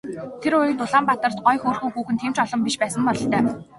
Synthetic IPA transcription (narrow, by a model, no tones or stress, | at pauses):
t̪ʰeɾʊj̆t̪ʊɮaːmpat̪ə̆r̥t̪̚ɢɔjxoːrxuːxuːxɘ̆nt̪ʰem̥t͡ɕɔɮɞ̆mpiʃpæːsə̆mpɔɮɞ̆ɬt̪œː